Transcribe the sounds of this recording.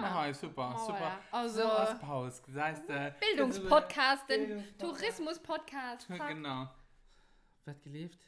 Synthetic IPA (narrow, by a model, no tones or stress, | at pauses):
ɦaɪsupɐsupɐɑlzospʰaʊskaɪstəbɪldʊŋspʰɔt̚kʰaːstəntʰuʁɪsmʊspʰɔtkʰaːstɡənaʊ | vɛːɐt̚ɡ̥əleːft